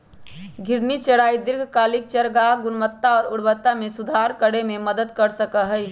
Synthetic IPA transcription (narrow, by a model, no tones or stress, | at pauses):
ɡʱɪɾnit͡ʃəɽaːid̪ɪɾɡʱkaːlɪk̚t͡ʃəɾɡaɦɡʊnmət̪ːaɔːɾʊɽbət̪ːamẽsʊd̪ʱaːɾkəɽemẽməd̪əd̪kəɾsəkəɦəj